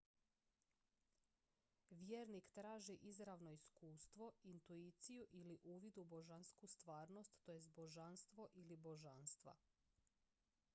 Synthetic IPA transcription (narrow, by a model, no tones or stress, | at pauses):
ʋjeːɾnikt̪ɾaːʒiʔizɾaʋno̞iskuːst̪ʋo̞int̪uit̪sijuʔiliʔuːʋid̪uboʒanskust̪ʋaːɾno̞st̪ːojesbo̞ʒanst̪ʋo̞ʔilibo̞ʒanst̪ʋa̰